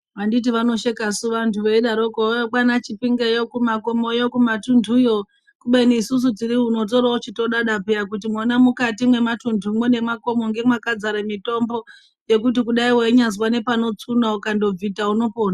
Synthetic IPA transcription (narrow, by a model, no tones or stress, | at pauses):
ʋandit̬iʋano̞ʃekasuʋantuʋeiɗaɾokojok͡panat͡ʃipiŋɡejokumako̞mo̞jokumatundʱujo̞ | kuɓeniːsus̬ud͡ziɾiuno̞t̬o̞ɾaot͡ʃito̞ɗaɗapeakutimonamukatimwe̞matundʱumone̞mako̞mo̞ŋɡe̞mwakad͡zaɾemito̞mbo̞ | je̞kut̬ik̬uɗaiweiɲazwane̞pano̞t͡sunaukando̞b͡vitauno̞poːna